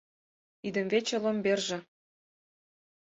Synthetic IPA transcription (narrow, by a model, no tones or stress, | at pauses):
id̪ə̆mvet͡ɕĕlomberʒĕ